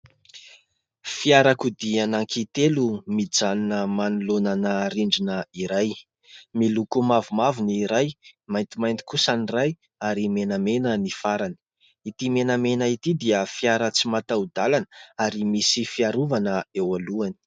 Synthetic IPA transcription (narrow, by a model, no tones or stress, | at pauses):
fiaɾakud̪ianaŋkʰit̪elumid͡zaninəmanulonanəɾiɳɖ͡ʐinəiɾaj | milukumavumavuniɾajmajnt̪imajnt̪i̥kusaniraj | aɾimenəmenənifaɾani̥ | it̪imenəmenəit̪id̪iəfiaɾət͡simat̪aud̪alanəaɾimisifiaɾuvanəewaluani̥